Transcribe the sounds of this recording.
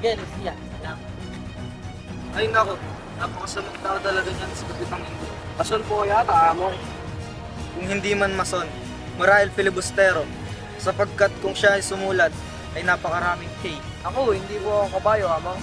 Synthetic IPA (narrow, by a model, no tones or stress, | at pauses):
ɡɐnt̪jan | ja | ɐjnɐko | naːpɐkɐsɐmɐkt̪akɐt̪ɐlɐɡad͡ʒansɐɡɐbɪt̪ɐŋɪnd̪o | mɐsonpoɐjat̪ɐʔaːmo | kʊŋhɪnd̪imɐnmɐso̞n | mɐɾaːhɪlpɪlɪbʊst̪ɛːɾo̞ | sɐpɐɡ̚kat̪̚kʊŋʃaʔɐjsʊmuːlɐd̪̚ | ʔɐjnaːpɐkɐɾaːmɪŋkej | ʔɐkohɪnd̪iːkoɐkoŋkɐbaːjoʔɐmɐŋ